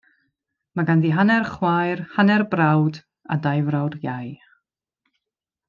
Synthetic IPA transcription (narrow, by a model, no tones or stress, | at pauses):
maɡanðiɦanɛrχwajrhanɛrbrawd | a̰dajvrawdjaj